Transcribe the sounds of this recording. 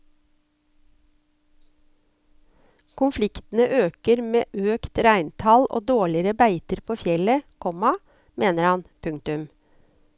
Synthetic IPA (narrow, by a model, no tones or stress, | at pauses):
kʰʊnflɪkt̪n̩əʔøːkəɾmeːʔøːkt̪ɾæɪnt̪ʰɑlʔo̰ːd̪oːɭɪəɾəbæɪt̪əɾpʰoːfjɛləkʰɔmɑ | meːnəɾhɑnpʰʉŋt̪ʉm